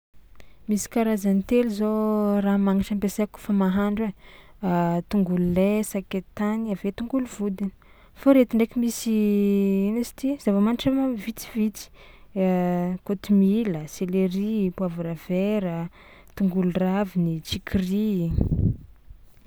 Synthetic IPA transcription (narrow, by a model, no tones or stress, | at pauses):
misi̥kaɾazanit̪eluzoramaŋaʈ͡ʂampesaku̥famaɦaɳɖ͡ʐe | t̪uŋɡululesaket̪aniavet̪uŋɡuluvud̪ini̥ | foɾet̪iɳɖ͡ʐekimisi | nasi̥t̪iz̥avamaniʈ͡ʂamavit͡si̥vit͡si̥ | kot̪imiləseleɾipuavuɾaveɾə | t̪uŋɡuluravinit͡ʃikʰiri